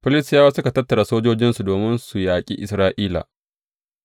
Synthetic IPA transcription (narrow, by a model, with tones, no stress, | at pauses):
ɸɪ˦lɪ˦sjaː˦wa˦sʊ˦ka˨tɐ˦tːɐ˨ɽa˨soː˦d͡ʒoː˦d͡ʒɪ˦nsu˨doː˨mɪ˦nsu˨jaː˨kʲʼḭː˦ʔɪ˨sɾaː˦ʔiː˦la̰ː˨